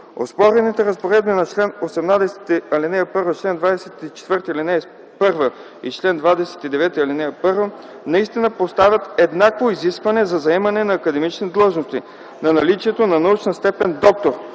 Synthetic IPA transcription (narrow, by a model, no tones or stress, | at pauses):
o̰spɔɾɛnit̪ɛɾɐspoɾɛd̪̚binɐt͡ʃlɛnosɛmnad̪ɛsɛ̥t̪iɐlinɛjəpɤɾvət͡ʃlɛnd̪vad̪ɛsɛt̪it͡ʃɛ̥t̪vɤɾt̪əilinɛ | pɤɾvə | ḭt͡ʃlɛnd̪vad̪ɛsɛ̥t̪id̪ɛvɛt̪əɐlinɛjəpɤɾvə | nɐist̪inəpost̪avʲjɐt̪ɛd̪nakvoiziskvɐnɛzɐzɐɛmɐnɛnɐːkɐd̪ɛmit͡ʃnid̪lˠɤʒnost̪ḭ | nɐnɐlit͡ʃiɛt̪onɐnɐut͡ʃnəst̪ɛpɛnd̪ɔk̚t̪oɾ